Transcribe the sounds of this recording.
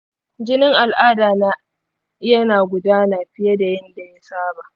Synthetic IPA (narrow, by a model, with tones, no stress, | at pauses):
d͡ʒɪ˦nɪ˦ŋʔa˨lʔaː˦daː˨naː˦ | jɐ˦naː˨ɡʷʊ˨daː˦naː˨ɸɪ˦ja˦da˨jɐ˦nda˨ja˦saː˦baː˨ʔ